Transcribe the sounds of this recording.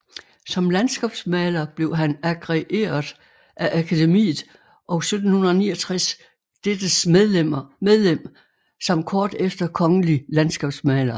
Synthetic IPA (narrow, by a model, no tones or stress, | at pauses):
sɒ̽mlænsɡ̥ɛ̰ːb̥smɛːlɐb̥le̝ʊɦænæɡ̥ʁɛʔe̝̰ːɐð̩ˠ | ʔæʔækʰæde̝mḭːð̩ˠ | ʔɒ̽sød̥n̩hunɐðˠɐniːɒt͡sʰʁas | d̥ed̥əsmeðˠlemɐmeðˠlem̰ | sɒ̽mkʰɒːd̥efd̥ɐkʰɒ̽ŋəlilænsɡ̥ɛ̰ːb̥smɛːlɐ